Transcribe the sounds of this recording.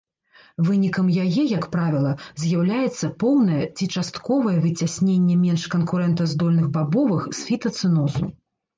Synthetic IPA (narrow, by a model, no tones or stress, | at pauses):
vɨnʲikɐmjajɛjɐkpɾavʲilˠɐzʲjawlʲajɛt̪sːɐpɔwnɐjɛt͡sʲit͡ʂast̪kɔvɐjɛvɨt͡sʲasʲnʲenʲːɛmʲɛnʂkɐnkuɾɛnt̪ɐzd̪ɔlʲnɨɣbabɔvɨxsfʲit̪ɐt̪sɨnɔzṵ